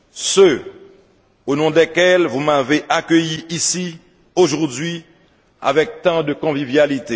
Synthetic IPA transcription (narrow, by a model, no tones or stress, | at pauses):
sø | onɔ̃d̪ɛkɛlvumaveʔakøjiisi | oʒuʁd̪ɥi | a̰vɛk̚t̪ɑ̃d̪əkɔ̃vivjalit̪e